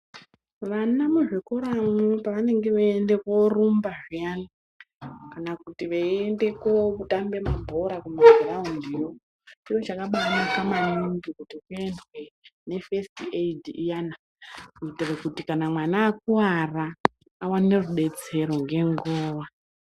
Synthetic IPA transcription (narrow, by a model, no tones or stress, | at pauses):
ʋanamuʐikoɾamepaʋane̞ŋɡe̞ʋeende̞korumbaʐijana | kanakutiʋeende̞kokutambe̞mabʱo̞ɾakumaɡʱiraundijo̞ | t͡ʃiwo̞t͡ʃakaɓanakamanuŋɡikutikue̞ndwe̞ne̞festiedijana | kuitirekutikanamwanaːkuwaraː | wane̞ruɗe̞t͡se̞ɾo̞ŋɡe̞ŋɡoːʋa